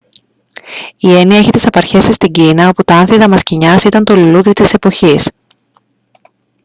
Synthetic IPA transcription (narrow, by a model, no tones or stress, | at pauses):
ie̞niɐeçit̪i̥sɐpɐɾçe̞sist̪iɲɟinɐo̞put̪ɐɐnθiðɐmɐsciɲɐsit̪ɐnt̪o̞luluðit̪ise̞po̞çis